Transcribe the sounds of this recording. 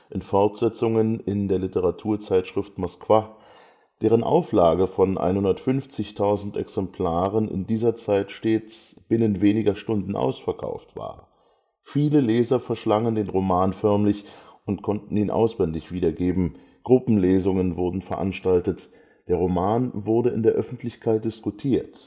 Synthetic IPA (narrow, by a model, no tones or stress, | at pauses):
ʔɪnfɔɐtz̥ɛt͡sʊŋənɪndeːɐlɪtəʁatʰuːɐt͡saɪtʃʁ̥ɪftmɔskv̥a | d̥eːʁ̞ənʔa̰ʊflaːɡəfɔnʔa̰ɪnhʊndɐtfʏnft͡sɪçtʰaʊzn̩tʔɛ̰ksɛmpʰl̥aːʁənɪ̰ndiːzɐt͡saɪtʃteːt͡sb̥ɪnənveːnɪɡɐʃtʊndn̩ʔa̰ʊsfɛɐkʰa̰ʊftv̥a̰ːɐ | fiːləleːzɐfɛɐʃlaŋəndeːnʁomaːnfœɐmlɪçʔʊntkʰɔntn̩iːnʔa̰ʊsv̥ɛndɪçv̥iːdɐɡeːbm̩ | ɡ̥ʁʊpm̩leːzʊŋənvʊɐdn̩fɛɐʔa̰nʃtaltət | d̥eːɐʁomaːnvʊɐdəɪ̰ndeːɐʔœfn̩tʰlɪçkʰaɪt̚d̥ɪskutʰiːɐt